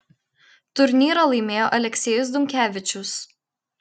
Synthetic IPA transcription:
t̪ʊɾʲnʲiːɾɐlˠɐɪmʲeːjoːʔɐlʲɛkʲsʲɛːjʊs̬d̪ʊŋʲkʲæːʋʲɪt͡ʃʲʊs

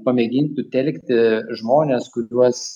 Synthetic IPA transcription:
pɐmʲɛɡʲɪnʲt̪ʊt̪ʲɛlʲkt̪ʲɪʒmoːnʲeːskʊuɔs

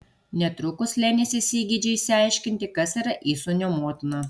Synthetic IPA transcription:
nʲɛt̪ɾʊkʊslʲæːnʲesʲɪsʲiːɡʲiːd͡ʒʲɛɪsʲɪɑɪʃʲkʲɪnʲt̪ʲɪkɐsiːɾɐʔiːsonʲoːmoɔːt̪ʲɪnɐ

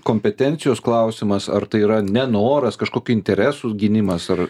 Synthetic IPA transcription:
koːmʲpʲɛt̪ʲɛnʲt͡ssʲɪjoːsklˠɐʊsʲɪmɐsɐrt̪ɐɪiːɾɐnʲɛnoːɾɐskɐʃkoːkʲʊɪnʲt̪ʲɛɾʲɛːsuɡʲɪnʲɪmɐsɐr

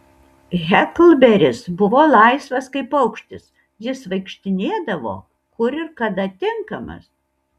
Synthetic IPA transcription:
ɣʲɛklˠbʲɛɾʲɪsbʊʋoːlˠɐɪsʋɐskɐɪpɐʊkʃʲt̪ʲɪs | jɪsʋɐɪkʃʲt̪ʲɪnʲeːd̪ɐʋo̰ː | kʊɾɪɾkɐd̪ɐt̪ʲɪŋkɐmɐ̰s

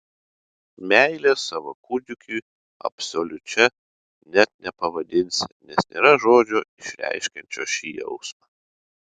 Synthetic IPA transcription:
mʲæˑɪlʲeːsɑːʋo̰kʊd̪ʲʊkʲuː | ɐ̰psolʲʊt͡ʃʲɛ | nʲɛt̪̚nʲɛpɐʋɐd̪ʲɪnʲsʲnʲɛsnʲḛːɾɐʒoːd͡ʒʲoːɪʃʲɾʲæ̰ɪʃʲkʲɛnʲt͡ʃʲo̰ːʃʲiːjɛ̰ʊsmɐː

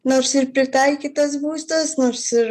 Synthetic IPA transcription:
noɾsɪɾpʲɾʲɪt̪ɑɪkʲit̪ɐs̬buːsʲt̪ɐsnoɾsɪɾ

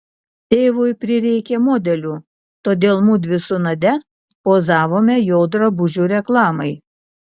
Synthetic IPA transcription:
t̪ʲeːʋojpʲɾʲɪɾʲɛɪkʲɛːmoːd̪ʲɛlʲuː | t̪oːd̪ʲeːlˠmud̪ʲʋʲɪsʊnɐd̪ʲɛ | poːzɑːʋoːmʲɛjoːd̪ɾɐbʊʒʲuːɾʲɛklˠɑːmɐɪ

